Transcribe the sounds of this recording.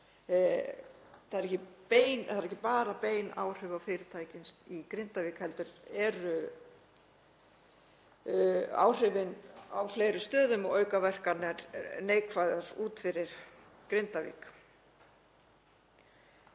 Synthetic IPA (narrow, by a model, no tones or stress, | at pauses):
θaðɛɾɛhcɪpeːjnaðɾɛhcːɪpaːɾapeːjna̰ːwr̥ʏːvafɪɾɪɾt̪ʰaːjcɪnsikɾɪnt̪aviːkhɛlt̪ʏɾɛɾʏ | a̰wr̥ʏvɪnawfleːjɾʏst̪œːðʏmɔœːɥkavɛr̥kanɛɾneːjkʰvajðaɾuːt̪fɪɾɪɾ̥ | kɾɪnt̪avḭːk